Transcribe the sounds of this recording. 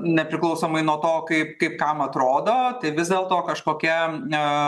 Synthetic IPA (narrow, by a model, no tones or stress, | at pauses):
nʲɛpʲɾʲɪklˠɐʊsoːmɐɪnuɔt̪oːkɐɪpkɐɪp̚kɐmɐt̪ɾoːd̪oːt̪ɐɪʋʲɪzd̪ʲeːlˠt̪oːkɐʃkoːkʲiɛ